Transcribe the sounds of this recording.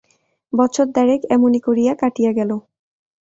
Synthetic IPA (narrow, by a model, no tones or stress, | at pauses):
bɔtːɕʰoɾd̪aɾekɛmonikoɾijakaʈijaɡɛlo